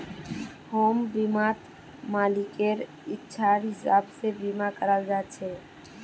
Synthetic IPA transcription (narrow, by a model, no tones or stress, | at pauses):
hoːmbimat̪ | malikeɾ | ɪtːʃʰaɾɦɪsabsebimakəɾəld͡ʒat͡ʃʰɛ